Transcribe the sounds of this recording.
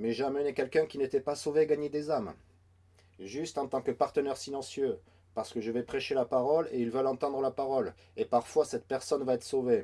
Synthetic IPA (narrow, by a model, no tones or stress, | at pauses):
mɛʒamənekʲɛlkʲɛ̃kʲinet̪ɛpasoveɡaɲed̪ezam | ʒyst̪ɑ̃t̪ɑ̃kəpaʁt̪ənɛʁsilɑ̃sjø | paʁsə̥kəʒəvɛpχɛʃelapaʁɔleilvœlɑ̃t̪ɑ̃d̪ʁəlapaʁɔl | epaʁfwasɛt̪̚pɛʁsɔnvaɛt̪χə̥sove